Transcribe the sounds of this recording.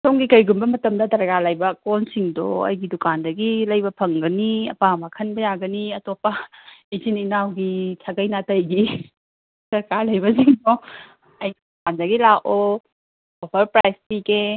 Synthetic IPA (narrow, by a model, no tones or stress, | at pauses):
soŋɡikɐjɡumbɐmɐtɐmdɐdɐɾɡalajbɐkonsiŋdo̰ɐ̰jɡidukandɐɡilɐjbɐpʰɐŋɡɐniɐ̰pamakʰɐnbɐjaɡɐniɐtopːɐizininawɡit͡ʃʰaɡɐjnatɐjɡi | sɐɾkaɾlɐjbɐsiŋdo | ɐjɡidukandɐɡilako | obɐɾpɾajspike